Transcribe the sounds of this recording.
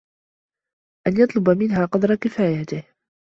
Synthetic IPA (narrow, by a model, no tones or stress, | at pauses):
ʔanjɑt̪ˤlʊbamɪnɦaːqɑd̪ɾˤɑkɪfaːjat̪ɪh